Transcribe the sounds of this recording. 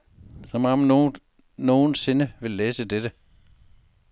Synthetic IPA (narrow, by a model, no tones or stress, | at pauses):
sɒmɑm | no̝ːn̩se̝nəʋe̝lːeːsəded̥ə